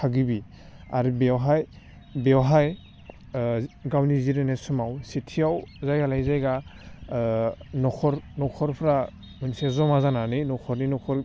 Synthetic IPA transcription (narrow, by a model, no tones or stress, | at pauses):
kʰaɡibi | aɾibewɦaj | bewɦaj | ɡawniziɾenesumawsitʰiawzajɡalajzajɡa | nɔkʰɔɾnɔkʰɔɾpʰɾa | mɯnsezɔmazananɯjnɔkʰɔɾninɔkʰɔɾ